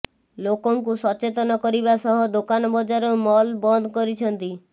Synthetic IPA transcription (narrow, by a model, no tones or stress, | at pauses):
lokɔŋkusɔt͡ʃet̪ɔnɔkɔɾibasɔɦɔd̪okanɔbɔd͡ʒaɾɔmɔlbɔnd̪ʱɔkɔɾit͡ʃʰɔnt̪i